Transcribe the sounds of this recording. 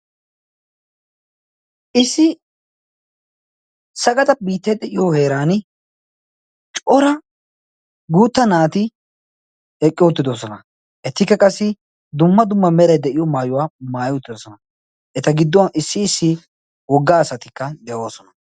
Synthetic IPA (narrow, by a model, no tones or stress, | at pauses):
ɪsːɪ | sɐɡɐt̪ɐbiːt̪ːɐjd̪ɛʔɪjɔhe̞ːɾaːn | t͡ʃʼɔɾɐ | ɡuːt̪ːɐnaːt̪ɪ | ɛkʼːɪʊt̪ːɪd̪osɔnɐ | ʔɛt̪ːɪkːɐkʼɐsːɪ | d̪ʊmːɐd̪ʊmːɐmɛɾɐjd̪ɛʔɪjɔmaːjʊwaːmaːjʊt̪ːɪd̪ɔsɔnɐ | ɛt̪ɐɡɪd̪ːɔwɐʔɪsːɪːsːɪ | wɔɡːaːsɐt̪ɪkːɐd̪ɛwoːsɔnɐ